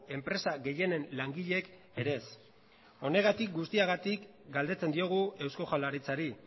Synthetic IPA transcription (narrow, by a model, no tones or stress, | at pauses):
e̞mpɾe̞saɣe̞je̞ne̞nlaŋɡiʎe̞k | e̞ɾe̞s | o̞ne̞ɣat̪ik̚ɡust̪iaɣat̪ik | ɡald̪e̞t͡se̞nd̪io̞ɣ̞ue̞wsko̞xalaɾit͡saɾi